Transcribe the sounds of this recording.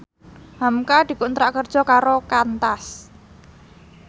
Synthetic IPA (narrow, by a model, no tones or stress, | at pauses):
hamkad̪̥i̤kunt̪ɾaʔkərd̥ʒ̥ɔ̤kaɾokant̪as